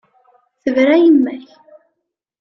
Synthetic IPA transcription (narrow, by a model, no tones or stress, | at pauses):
θəvɾæjəmːæç